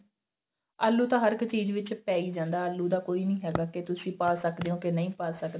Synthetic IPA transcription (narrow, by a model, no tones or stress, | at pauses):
aːlːuːt̪ãːɦəɾɪkt͡ʃiːd͡ʒʋɪt͡ʃpɛːiːd͡ʒãːnd̪aːəlːuːd̪aːkoːiːnəĩːɦɛːɡaːket̪ʊsĩːpaːsəkd̪eːõːkenəĩːpaːsəkd̪e